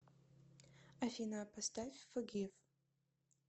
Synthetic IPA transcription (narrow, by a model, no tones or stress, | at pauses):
afʲinapʰastafʲfɨɡʲef